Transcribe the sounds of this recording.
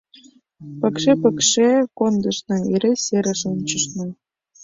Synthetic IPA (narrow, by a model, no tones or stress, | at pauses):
pə̆kʃepə̆kʃekond̪ɤ̆ʃnɤ̆eɾʲeseɾə̆ʃunʲt͡ɕəʃnɤ̆